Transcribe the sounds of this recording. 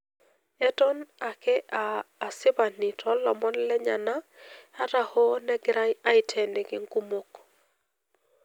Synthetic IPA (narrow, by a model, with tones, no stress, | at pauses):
ɛ˦tɔ˦na˨kɛ˦aː˨sɪ˦ba˨ni˨tʰɔ˦lɔ˨mɔ˦nlɛ˦ɲa̰˨na˦a˦ta˨ho˦nɛ˦ɡɾa˦ɲa˦ɪ˦tʰɛ˨ne˨ɡɪ˦ŋku˦mo˦k